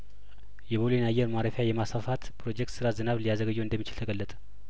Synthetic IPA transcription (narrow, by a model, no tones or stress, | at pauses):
jɛβolenajːɛɾmaɾəfjajɛmasafat̪pʰɾo̞d͡ʒɛk̚t̪sɨɾazɨnaβlijazəɡəd͡ʒːəwɨnd̪əmːit͡ʃɪlt̪ʰəɡəlːət̪ʼə̥